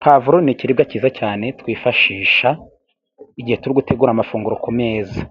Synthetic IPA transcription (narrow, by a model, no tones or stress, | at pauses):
kʰavuɾoniciɾibɡaciːzacaːne̞tkwiːfaʃiːʃa | iɟihe̞tuɾiɡutʰe̞ɡuːɾamafuːŋɡuɾokʰome̞ːza